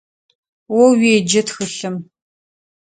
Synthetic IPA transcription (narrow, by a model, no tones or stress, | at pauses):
wɔwiːd͡ʒɐtxɨɬɨm